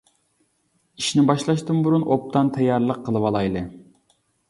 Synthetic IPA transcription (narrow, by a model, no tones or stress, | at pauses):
iʃnɪbɑʃlˠɑʃt̪ɨmbuɾunʔop̚t̪ʰɑnt̪ʰɛjːɑɾlˠəqʰːəlˠɨwɑlˠɑjlˠɨ